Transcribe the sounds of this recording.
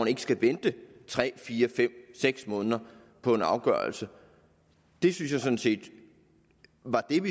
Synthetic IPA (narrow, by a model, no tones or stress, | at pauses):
ne̝ɡəsɡ̥æʋend̥ət͡sʰʁɛ̰ːfiːɐfem̰seɡ̥smɔ̽ːnˠɐ | pʰɒ̽e̝nɑ̈ʊɡ̥ɶɐlsə | d̥e̝synsjɑ̈ɪsɔ̽n̩se̝̰ːd̥ | ʋɑ̈d̥e̝ʋi